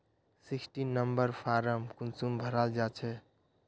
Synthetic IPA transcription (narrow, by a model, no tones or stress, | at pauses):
sɪksʈinəmbəɾpʰaɾəmkunsumbʱəɾald͡ʒaːt͡ʃʰɛ